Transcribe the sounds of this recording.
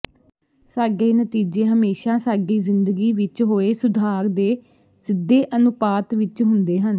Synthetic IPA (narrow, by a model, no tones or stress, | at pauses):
saːɡeːnət̪iːd͡ʒeːɦəmeːʃaːsaːɡiːzɪnd̪əɡiːʋɪt͡ʃɦoːeːsʊd̪ʱaːɾd̪eː | sɪd̪ːeːʔənʊpaːt̪ʋɪt͡ʃɦʊnd̪eːɦən